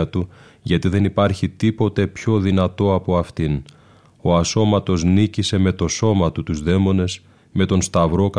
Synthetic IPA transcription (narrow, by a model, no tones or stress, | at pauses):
t̪u | ʝɐt̪iðe̞nipɐɾçit̪ipo̞t̪e̞pço̞ðinɐt̪o̞ɐpo̞ɐft̪in | o̞ɐso̞mɐt̪o̞znicise̞me̞t̪o̞so̞mɐt̪ut̪uzðe̞mo̞ne̞s | me̞t̪o̞nst̪ɐvɾo̞kɐ